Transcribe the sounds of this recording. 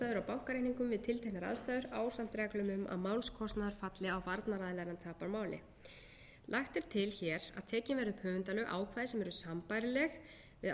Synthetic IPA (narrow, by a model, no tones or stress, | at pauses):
t̪aːðʏɾawpawkaɾejhniŋkʏmvɪðt̪ʰɪlt̪ʰehnaɾa̰ðst̪ajðʏɾaːwsam̥t̪ɾɛklʏmʏmʔa̰ðmaːwlskʰɔst̪naðaɾfat̪lɪawvaɾt̪naɾaðlɛɣɾant̪ʰaːpaɾmaːwlɪ̰ | lʔaxt̪ɪɾ̥t̪ʰɪlçɛːɾa̰ðt̪ʰɛːcɪnvɛɾðʏpʰœːvʏnt̪alœʔa̰ːwkʰvaːjðɪsɛmɛɾʏsampajɾɪlɛx | vɪð